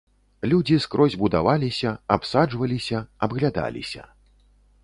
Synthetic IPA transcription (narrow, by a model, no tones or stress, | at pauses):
lʲud͡zʲiskɾʔɔzʲbud̪a̰valʲisʲɐapsad͡ʐvɐlʲisʲɐɐbɣlʲad̪a̰lʲḭsʲɐ̰